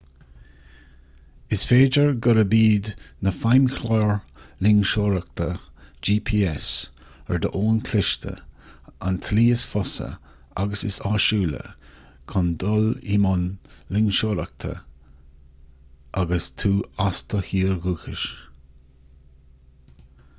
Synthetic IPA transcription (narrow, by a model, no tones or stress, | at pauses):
ɪsfeːd͡ʒəɹɡəɾəbiːd̪nəfajmxʰlɔːɹlɪŋʃoːɾək̚t̪ʰəd͡ʒiːpʰiːɛs | ɛɹd̪əʔoːnkʰlɪʃt̪ʰə̰a̰nt̪ʰliːɪsfɔsə̰ | a̰ɡəsɪsɑːʃuːlə̰ | kʰɔnd̪ɔlḭmʊnlɪŋʃoːɾək̚t̪ʰə̰ | ʔaɡəst̪ʰuːast̪əhiːɹɡuːxɪʃ